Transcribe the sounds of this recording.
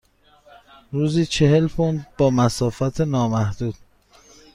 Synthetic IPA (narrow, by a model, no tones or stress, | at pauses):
ɾuːziːt͡ʃʰe̞ɦe̞lpʰond̪̚bɒːmæsɒːfæt̪ʰenɒːmæhd̪̥uːd̪̥